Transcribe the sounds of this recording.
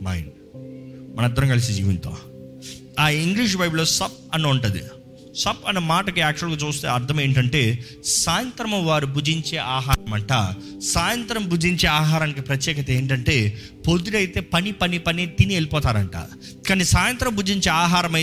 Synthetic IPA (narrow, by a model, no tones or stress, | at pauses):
mɐ̰jɳɖ | mɐnɐ̃id̪ːɐɾɐmkɐlis̬id͡ʒiɡḭnt̪o̰ː | aːiŋɡliʂ̬bɐjbloːsɐp̚ɐnuɳʈɐd̪ḭ | sɐpɐnɐmaːʈɐkiaːk̚t͡ʃuɐlɡaːt͡ʃuːst̪ḛːɐɾt̪ʰɐmeːɳʈɐɳʈe̞ː | saːjɐnt̪ɾɐmɐʋaːɾubud͡ʒiɲt͡ʃe̞ːʔaːɦaːɾɐmɐɳʈa̰ː | saːjɐnt̪ɾɐmbud͡ʒiɲt͡ʃe̞ːaːɦaːɾaːnikipɾɐt̪jɛːkɐt̪ɐeːɳʈɐɳʈe̞ː | pod̪uɽɐjit̪e̞ːpɐnipɐnipɐnit̪inielipɔːt̪aːɾɐɳʈa̰ː | kaːniːsaːjɐnt̪ɾɐmbʱud͡ʒiɲt͡ʃeːaːɦaːɾɐmɐj